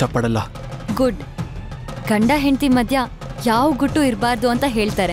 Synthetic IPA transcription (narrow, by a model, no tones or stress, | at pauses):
ɐpːɐɽɐlːɐ | ɡuɖ | ɡɐɳɖɐɦent̪imɐd̪ʱjɐ | jaːʋuɡuʈːuiɾbaːɾd̪uɐnt̪ɐɦeːɭt̪aːɾe